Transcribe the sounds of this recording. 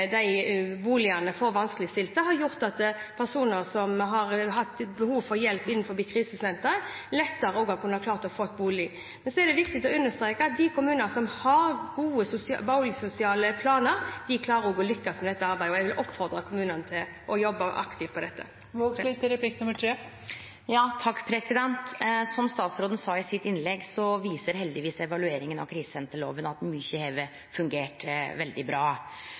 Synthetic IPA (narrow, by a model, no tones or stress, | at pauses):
d̪æɪbuːlɪɑnəfoːɾʋɑnsklɪst̪ɪlt̪əɾhɑɾjʊʁt̪ɑt̪pʰæʁsuːnəɾsɔmɦɑɾɦɑt̪ːbəhuːʋfɔɾjɛlpːɪnːn̩fɔɾbiːkʰʁiːsəsɛnt̪əɾlɛt̪ːəɾəoːɡɑkʰʉnːɑkʰlɑːʁt̪ɔfoːɛt̪̚buːlɪ | mɛnsɔɛɾd̪ɛʋɪkt̪ɪt̪ɔʉnːəst̪ɾeːkəɑt̪̚d̪ɪkʰʊmʉːnənsɔmhɑɾɡuːəsʊsbɑʊlɪsʊsɪɑːləpʰlɑːnəɾd̪ɪkʰlɑːɾəɾɔɡoːlʏkːɑst̪mɛd̪ɛt̪ːəɑɾbæɪd̪əɔjæɪʋɪlʔɔpːfɔʁd̪ʁəkʰʊmʉːnənt̪ʰɪl | ʔɔjɔbːəʔɑ̰kt̪ʰɪʋpʰɔd̪ɛt̪ʰːə̰ | ʋoɡsit̪əɾɛpʰliknʊməʈʰɾeː | jɑːt̪ʰɑkːpʰɾɛsɪd̪ɛnt̪sɔmst̪ɑːt̪sɾoːd̪n̩sɑːɪsɪt̪ːɪnlɛɡsɔʋiːsəɾɦɛld̪ɪʋiːsɛʋɑlʉeːɾɪŋənɑ̰ʋkʰɾiːsənt̪ʰɪlo̰ːʋənɑt̪mʏçəheːʋə | fʉŋɡeːʈʋɛld̪ɪbɾɑː